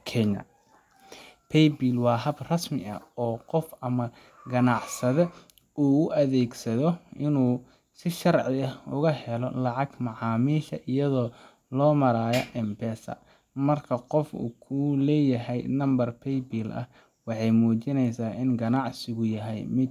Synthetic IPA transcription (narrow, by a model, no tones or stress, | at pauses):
kʰɛɲɐ̰ | pʰɛjbiːlwɑːɦɐbrɐsmɪ̰ʔɐ̰ɔːqɔfɐmɐ | ɡɐnɑʕsɐðɛ | uːʊʔɐðɛːɡsɐðɔɪnuː | sɪʃɐrʕɪɐʊɣɐhɛlɔlɑʕɑɡmɑʕɑːmiːʃɐ̰ʔɪjɐðɔː | lɔːmɐɾaːjɐʔɛmbɛːsɐ̰ | mɐrkʰɐqɔfṵːkʰʊlɛːjɐɦɛjnɐmbɐrpʰɛjbilʔɐ̰h | wɑħɑjmuːt͡ʃɪnɛjsaːʔɪnɡɐnɑʕsɪɣʊjɐɦɛjmɪd̪